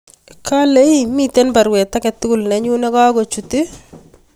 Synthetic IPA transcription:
ka˦le˦imi˦t̪ɛ˦npa˨ɾwɛ˨t̪a˦kɛt̪ːu˦ku˨lnɛ˨ɲu˦nɛ˦ka˦ɡɔ˨t͡ʃu˨ti˦

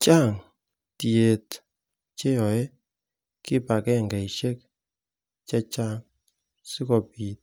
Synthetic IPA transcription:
t͡ʃa˦˨ŋ | ti˨e˨t | t͡ʃe˦jɔ˨e˦ | kɪ˦pa˨kɛ˦ŋɡa˨i˨ʃe˦k̚ | t͡ʃɛ˦t͡ʃa˦ŋ | si˦kɔ˨pi˨t̚

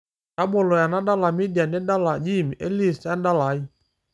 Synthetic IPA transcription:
ka˦ɓɔ˨lɔ˨ja˨na˦da˦la˨mi˦di˨a˨nɛ˦da˦la˨d͡ʒi˦˨m˨ʔɛ˦li˦˨sa˦n˦da˦la˨˦i˦

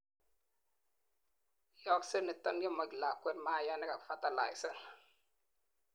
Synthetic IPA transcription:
jɔ˦ksə˦ni˨tɔ˦nɡi˦mɔ˨ɡla˨kʷːɛ˦nma˦˨ja˦nɛ˦ka˨kfa˦ta˦˨la̰˨jsɛ˦n

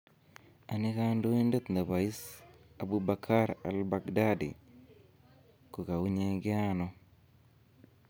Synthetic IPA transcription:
a˨nɪ˦ka˦ndo˦i˦nde˦t̪na˨βa˨i˦s | a˨bu˦ba˨kʰa˦ɾa̰˨lba˨kda˦dḭ˨ | ko˨ka˨wu˦ɲe˦ɡɪ˦a˦nɔ˦

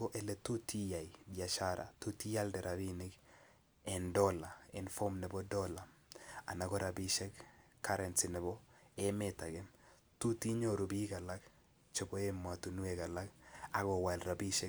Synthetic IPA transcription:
ɔ˦ʔɛ˨lɛ˨tu˦tʰi˦ja˨idja˨ʃa˦ɾʔa̰˨tu˦ti˦ja˦ldɛ˨ɾʔa˨bi˦nɪ˦k | ɛ˨ndɔ˦la˨ɛ˨nfɔ˦mnɛ˨bɔ˦dɔla˨ | a̰˨na˨ɡɔ˦ɾa˨bi˦ʃɛ˦k | kːa˦ɾɛ˨nsɪnɛ˨bɔ˦ɛmɛ˨ta˨ɡɛ˦m | tu˦ti˦ɲoɾu˨bi˦ɡa˨la˦k | t͡ʃɔ˨bɔ˦emːa˨tu˨nu˦ɛɡa˨la˦ka˨ɡɔ˨wa˨lra˨bi˦ʃɛ˦

